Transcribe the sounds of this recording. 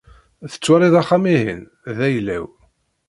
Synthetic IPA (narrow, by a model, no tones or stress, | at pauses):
θə̥t͡sːwaɾˤiðaχːamiɦə̰n | ðæjlæ̰w